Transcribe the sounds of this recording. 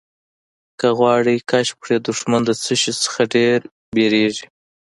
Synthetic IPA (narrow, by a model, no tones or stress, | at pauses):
kaɣwɑɽikaʃpʂed̪ʊʂmand̪ət͡səʃit͡sə̥xaɖeɾ | beɾeʐi